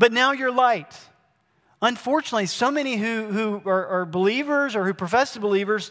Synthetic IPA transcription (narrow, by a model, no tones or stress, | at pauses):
b̥ʌtⁿnaʊjə˞laɪt | ʌ̃ɱfɔɹt͡ʃɨnətˡlisoʊmɛñiɦʉhuə˞ʔə˞bəlivə˞zə˞hʉpʰɹ̥ɨfɛsðəbəlivə˞z̥